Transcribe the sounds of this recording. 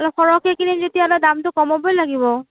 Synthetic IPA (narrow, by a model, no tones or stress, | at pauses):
alɔpʰɔɹɔkʰekinizetialadamtʊkɔmɔbɔjlaɡibɔ